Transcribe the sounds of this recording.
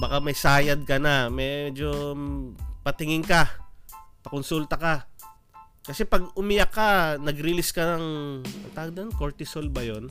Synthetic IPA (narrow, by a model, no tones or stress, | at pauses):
bakamɐjsaːjɐd̪̚kɐnamɛd͡ʒo̞ | pɐt̪ɪŋɪŋkɐ | pɐkʊnsult̪ɐka | kɐsɛpɐɡʊmɪjɐkːanɐɡɾɪlɪskɐnɐŋɐ̰t̪aːɡd̪ɐɐnkoɹt̪ɪsolbɐjon